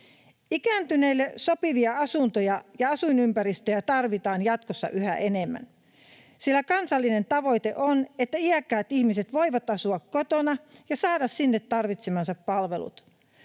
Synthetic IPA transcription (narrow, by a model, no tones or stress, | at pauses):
ikæːnt̪yneilːeso̞piʋiɑɑsunt̪ojɑjɑɑsuinympæɾist̪øjæt̪ɑrʋit̪ɑːnjɑt̪kosːɑ̰ʔyhæ̰ʔenemːæ̰n | silːækɑnsɑlːine̞nt̪ɑʋo̞jt̪ḛʔonet̪ːæiækːæːt̪içmiset̪ʋo̞iʋɑt̪ɑsuɑkkot̪onɑjɑsɑːdɑssinːet̪ːɑrʋit̪semɑnsɑppɑlʋe̞lṵt̪